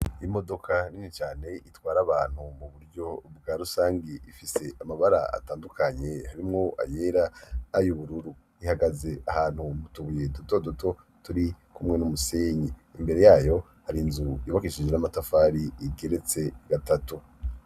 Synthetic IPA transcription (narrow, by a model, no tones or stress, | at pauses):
imo̞do̞kʰaninit͡ʃaːne̞ʔitwaːɾaβaːn̥humuβuɾɟo̞bɡaːɾusaːŋɡiifise̞ʔamaβaɾa̰a̰taːndukʰaɲe̞haɾimŋoʔa̰je̞ːɾaːjuβuɾuɾu | ihaɡaze̞ʔahaːn̥humutuβuje̞duto̞dotʰo̞ | tuɾikumŋe̞numuseːɲeimbe̞ɾe̞jaːjo̞ | haɾinzujoβakiʃid͡ʒenamatafaːɾiiɡe̞ɾe̞t͡se̞ɡ̥atatu